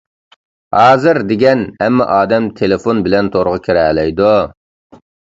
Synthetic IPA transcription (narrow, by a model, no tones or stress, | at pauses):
hɑːzɨɾd̪eɡʲɛnɛmːɑ̰ʔɑːd̪ɛmt̪ʰelefonbɪlɛnt̪ʰoɾʁʊkʲʰiɾɛlɛjd̪u